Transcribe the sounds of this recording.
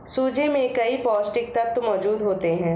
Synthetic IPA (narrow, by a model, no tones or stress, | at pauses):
suːd͡ʒemẽkɐipɔːsʈɪk̚t̪ɐk̚t̪omɔːd͡ʒuːd̪ɦoːt̪eɦɛ̃ː